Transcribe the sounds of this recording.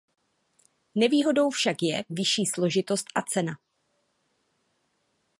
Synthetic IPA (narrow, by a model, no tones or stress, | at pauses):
nɛviːɦo̞do̞wfʃakjɛvɪʃiːslo̞ʒɪt̪o̞st̪ʔat͡sɛna